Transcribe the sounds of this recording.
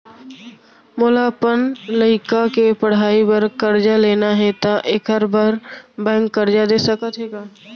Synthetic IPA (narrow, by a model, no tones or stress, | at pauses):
mʊːlapənləɪkakepəɽ̤aːibəɾkəɾd͡ʒaleːnaɦɛt̪aʔeːkəɾbəɾbɛ̃ːŋkːəɾd͡ʒad̪eːsəkət̪ɦeːɡaː